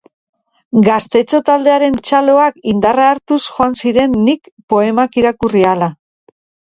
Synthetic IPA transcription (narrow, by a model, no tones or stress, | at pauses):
ɡast̪e̞t͡ʃo̞t̪ald̪e̞aɾe̞nt͡ʃalo̞akind̪araːɾt̪usxoansiɾe̞nːikpo̞e̞makiɾakuriala